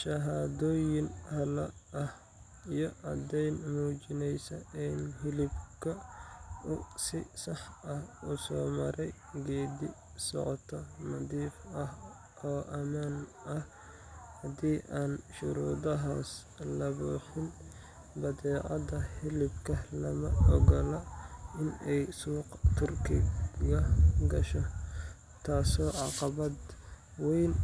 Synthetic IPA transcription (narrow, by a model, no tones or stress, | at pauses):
ʃɐɦaːd̪ɔːjɪnhɐlɐ | ɐh | ijɞʔɐd̪ɛjnmuːt͡ʃɪnɛjsɐʔɪnɦɪlɪbkʰɐ | ʊsɪsɑħɐhʊsɔːmɐɾɛj | ɡɛːd̪ɪ | sɔ̰ʕt̪ʰɔnɐd̪iːfɐh | ɔːʔɐmaːn | ɐh | hɐd̪iːʔaːnʃʊɾuːdɐɦaːs | lɐβuːħɪn | bɐdɛːʕɑdɐhɪlɪbkʰɐlɐmɐɔɡɐlɐɪnɛjsuːqt̪ʰʊrkʰɪɣɐɡɐʃɔ | t̪ʰaːsɔːʕɑqɑβɐd̪ | wɛjn